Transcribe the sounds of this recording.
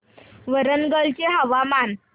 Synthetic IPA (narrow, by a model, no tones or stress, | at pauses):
ʋəɾənɡəlt͡ɕeɦəʋaman